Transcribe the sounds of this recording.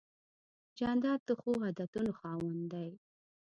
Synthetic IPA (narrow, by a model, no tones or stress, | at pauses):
d͡ʒand̪ɑd̪̚d̪əxoɦɑd̪at̪unoxɑwənd̪aj